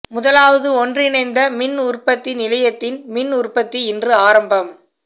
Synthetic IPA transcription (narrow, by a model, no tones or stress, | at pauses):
mʊðɐlaːʋɐðɯɔndrɪnɐɪnd̪ɐmɪnʊrpɐt̪ːɪnɪlɐjɐt̪ːɪnmɪnʊrpɐt̪ːiɪndrɯaːɾɐmbɐm